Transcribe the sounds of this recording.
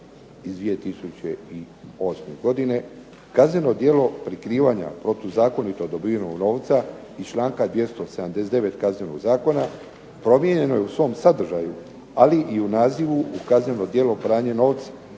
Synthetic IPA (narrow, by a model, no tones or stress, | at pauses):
izd̪ʋije̞t̪isut͡ɕei | o̞sme̞ɡo̞d̪ine̞ | kazɲeno̞d̪je̞ːlo̞pɾikɾiːʋaɲa̰pɾo̞t̪ozaːko̞nit̪od̪obinoɡno̞ːʋt̪sa | ist͡ʃlˠaːŋkad̪ʋje̞st̪o̞se̞d̪amd̪e̞sed̪eʋe̞t̪kazneno̰ɡzaːko̞na | pɾo̞mje̞ɲe̞no̞jeusʋo̞ːmsad̪r̩ʒaju | aliʔiunaːziʋuukazɲeno̞d̪je̞lo̞pɾaːɲeno̞ːʋt̪sḁ